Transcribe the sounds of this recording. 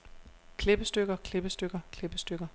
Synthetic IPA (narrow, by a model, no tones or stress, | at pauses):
kʰle̝b̥əsd̥øɡ̥ɐkʰle̝b̥əsd̥øɡ̥ɐkʰleb̥əsd̥øɡ̥ɐ